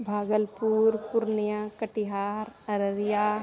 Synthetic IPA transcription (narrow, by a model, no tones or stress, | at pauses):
bʱaːɡəlpuːɾpʊɾnjãkəʈiɦaːɾɐɾəɾjaː